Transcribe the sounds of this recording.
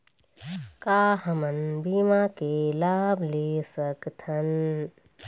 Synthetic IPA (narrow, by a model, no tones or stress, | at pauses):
kaːɦɐmɐnbiːmaːkelaːbʱleːsɐkt̪ʰɐn